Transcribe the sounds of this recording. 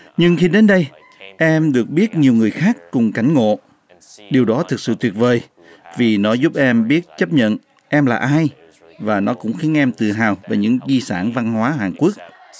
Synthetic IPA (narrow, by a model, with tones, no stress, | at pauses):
ɲɨ˧ŋxi˧ɗe˨˦nɗə˧j | ʔɛ˧mɗɨ˨˩ək̚ɓi˦˥ət̚ɲi˨˩əwŋɨ˨˩əjxaː˦˥kːʊ˨˩ŋ͡mka˨˧˩jŋ̟ŋo̰˧˨ | ɗi˨˩əwɗɔ˨˦t̪ʰɨ˨˩k̚sɨ̰˧˨t̪wi˨˩ət̚vəː˨˩j | vi˨˩nɔ˨˦zʊ˦˥p̚ʔɛ˧mɓi˦˥ət̚t͡ɕə˦˥p̚ɲə̰˧˨n | ʔɛ˧mlaː˨˩ʔaː˧j | vaː˨˩nɔ˨˦kʊ̰˧˥ŋ͡mxi˨˦ənʔɛ˧mt̪ɨ˨˩ɦaː˨˩wvaː˨˩ɲɨ̰˧˥ŋzi˧sa̰ː˧˩nva˧nhwaː˨˦ɦaː˨˩ŋku˦˥ək̚